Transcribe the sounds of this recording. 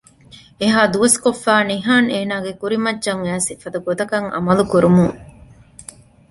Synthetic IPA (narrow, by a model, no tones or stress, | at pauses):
eɦaːd̪uʋɐskofːæːniɦaːneːnaːɡekuɾimɐdʒɐŋæːsifɐd̪ɐɡot̪ɐkɐŋʔɐ̰mɐlukuɾumuŋ